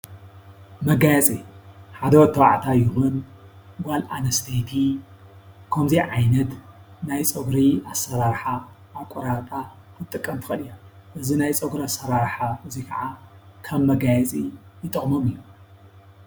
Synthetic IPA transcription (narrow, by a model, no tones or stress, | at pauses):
mɐɡajɛt͡sʼiħad̪ɐwɔt̪ʰːɐwa̰ʕt̪ʰajɪhun | ɡala̰nɐst̪ʰejt̪ʰi | kʰɐmziʕajnɐt̪najt͡sʼɐɡɾiasɐɾaɾħaː | βkʷʼɔɾat̪ʼa | kʰɨt̪ʼːɨkʼːɐmt̪ʰɨ̥xɐlijaʔɨzinajt͡sʼɐɡɾasɐɾaɾħaɨzikʰɐʕakʰɐmːɐɡajɐt͡sʼijɪt̪ʼɨχʼmɐmɨjːu